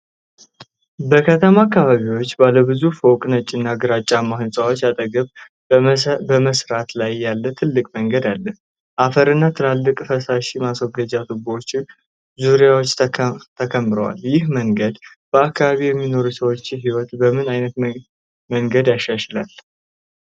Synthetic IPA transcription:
bəkʰət̪ʰəmaakːaβaβiwo̞t͡ʃːbaləβɨzufowkʼnət͡ʃʼːɪnːaɡɨɾat͡ʃʼːamahɨnsʼawot͡ʃːjat̪ʼəɡəβ | bəməsɾat̪lajːalːət̪ʰɨlːɨkʼməŋɡəd̪alːəh | ʔafəɾɨnːat̪ʰɨlalːɨkʼfəsaʃimaswoɡəd͡ʒat̪ʰuboot͡ʃːɪ | zuɾijawot͡ʃːt̪ʰəkʰəmːɾəwa̰ljɪhməŋɡəd̪ | b̥əakːaβaβijɛmːino̞ɾusəwo̞t͡ʃːɪɦiwɔt̪bəmɨnajnət̪ | məŋɡəd̪jaʃːaʃlal

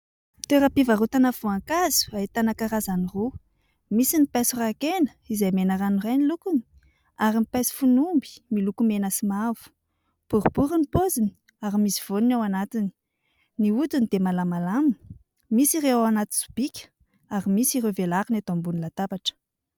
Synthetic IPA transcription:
t̪eɾapivarut̪anafuaŋkazu̥ait̪anakaɾazaniru | misinipasurakenə̥ | izajmenəɾanirajnilukuni̥ | aɾimipasi̥funumbi̥milukumenəsimavu̥ | b̥uɾub̥uɾinipozinii | aɾimisi̥v̥oninawanat̪ini̥ | niut̪unid̪emalamalami | misiɾeaanat̪i̥su̥b̥ikʲə̥ | aɾimisirevelaɾinat̪ombunilat̪apaʈ͡ʂə̥

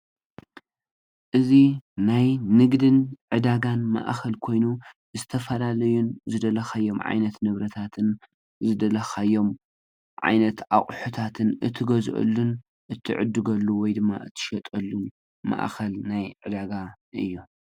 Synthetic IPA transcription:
ʔɨzinajnɨɡd̪ɨnʕɨd̪aɡanma̰ʔxɐlkʰo̞jnu | zɨt̪ʰɐfɐlalɐjunzɨd̪ɐlɐxajːo̞mʕa̰jnɐt̪nɨβɾɐt̪ʰat̪ʰɨn | zɨd̪ɐlɐxajːo̞m | ʕa̰jnɐt̪ʔa̰kʼħut̪ʰat̪ʰɨnʔɨt̪ʰːɨɡɐzʔɐ̰lːun | ʔɨt̪ʰːɨ̰ʕɨ̰d̪ːɨɡɐlːuwɔjd̪ɨmːa̰ʔɨt̪ʰːɨ̥ʃɐt̪ʼɐlːun | ma̰ʔxɐlnajʕɨd̪aɡa | ʔɨjːu

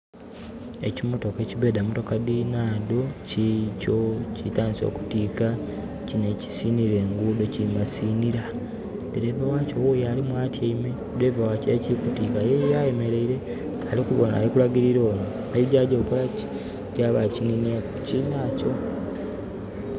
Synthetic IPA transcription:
ḛcimoto̞ke̞ciβe̞ːdamoto̞kadinaːdocicocitaːnso̞̰ːku̥tiːka | cine̞ci̥siːniɾe̞ːŋɡuːdo̞cimasiːniɾa | deɾeːβawaːco̞wojaːlimwaːtjeime | dweːβawaːceciɾikutiːkajejajeme̞ɾe̞iɾe̞ | alikuβona̰likulaɡiɾiɾo̞ːmu | eβiɟaɟoːkulaci̥ | ɟaːβacininia | cinaco̞

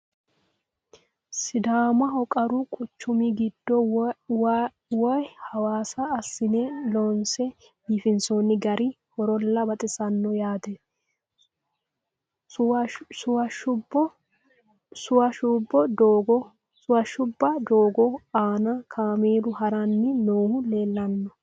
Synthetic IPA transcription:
sɪd̪aːmɐɦɔkʼɐɾʊkʼʊt͡ʃːʊmɪɡɪd̪̥ːɔw | wɔjhɐwaːsɐːsːɪnɛlɔnsɛ | biːfɪnsonːɪɡɐɾɪ | hɔɾɔlːɐbɐt̪ʼɪsɐnːɔjaːd̪ɛ | sʊwɐʃʊbɔ | sʊwɐʃʊbːɔd̪oɡɔ | ʊwɐʃʊbːɐd̪oːɡɔaːnɐkʰaːmeːlʊhɐɾɐnːɪnoːhʊle̞ːlːɐnːɔ

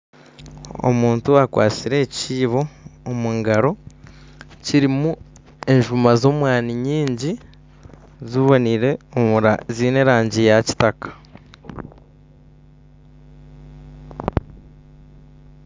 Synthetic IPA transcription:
o̰muːntuakwa̰ːt͡siɾe̞ːciːβo̞ːmuːŋɡaɾo̞ | ciɾimu | e̞ɲʒumazo̞ːmwaːniɲiːɲɟi | zuβo̞niɾe̞omuɾaziːne̞ɾaːɲɟijaci̥takḁ

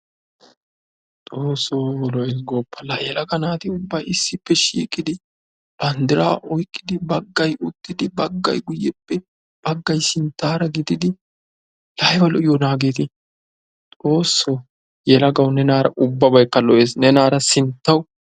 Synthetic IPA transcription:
t̪ʼoːsːoːɔlɔɛsɡɔːpːɐlajɛlɐɡɐnaːt̪ɪʊbːɐjɪsːɪpːɛʃiːkʼːɪd̪ɪ | b̥ɐnd̪ɪɾa̰ːʔɔjkʼːɪd̪ɪbɐɡːɐjʊt̪ːɪd̪ɪbɐɡːɐ̰jɡʊjːɛpːɛ | b̥ɐɡːɐjsɪnt̪ːaːɾɐɡɪd̪ɪd̪ɪ | lɐjbɐlɔʔɪjɔnaːɡet̪ɪ | t̪ʼo̞ːsːoː | jɛlɐɡɐwnɛnaːɾɐ̰ʔʊbːɐbɐjkːɐlɔʔeːsnɛnaːɾɐsɪnt̪ːɐwʊ

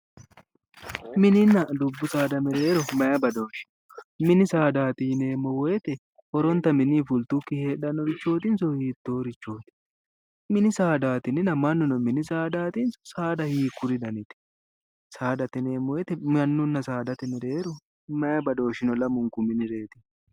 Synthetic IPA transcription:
mɪnɪnːɐd̪ʊbːʊsaːd̪ɐmɛɾe̞ːɾɔmɐjɐbɐd̪o̞ːʃɪ̥nɔ̥ | mɪnɪsaːd̪aːt̪ɪne̞ːmɔwɔjɛt̪ɛ | hɔɾɔnt̪ɐmɪniːfʊlt̪ʊkːɪheːᶑɐnːɔɾɪt͡ʃːo̞ːt̪ɪnsɔhiːt̪ːo̞ːɾɪt͡ʃːo̞ːt̪ɪ̥ | mɪnɪsaːd̪aːt̪ɪnɪnɐmɐnːʊnɔmɪnɪsaːd̪aːt̪insɔ̥saːd̪ɐhiːkːʊɾɪd̪ɐnɪt̪ɪ̥ | saːd̪ɐt̪ɪneːmɔwɛt̪ɛmɐnːʊnːɐsaːd̪ɐt̪ɪmɛɾe̞ːɾɔ | mɐjɐbɐd̪o̞ːʃɪnɔlɐmʊŋkʊmɪnɪɾe̞ːt̪ɪ̥

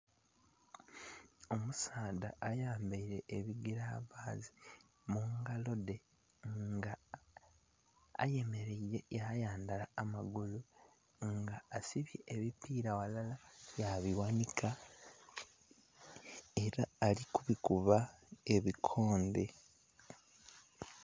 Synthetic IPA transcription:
o̞musaːdaːjaːmbaiɾe̞ːβiɡiɾaβaːzi | muŋɡalo̞de̞ | ŋɡa | a̰je̞me̞ɾeie̞jajaːndalaːmaɡulu | ŋɡaːsiβje̞ʔeβipiːɾawalalajaβiwanikʰa | e̞ɾaːlikuβikuβae̞βikʰo̞ːnde̞

